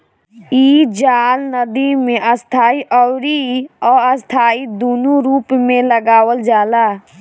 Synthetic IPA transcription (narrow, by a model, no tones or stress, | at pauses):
iːd͡ʒaːlnəd̪imẽʔəst̪ʰaːiʔɔɾiɔːɾəst̪ʰaːid̪uːnuɾuːpmẽləɡaːwəld͡ʒaːlaː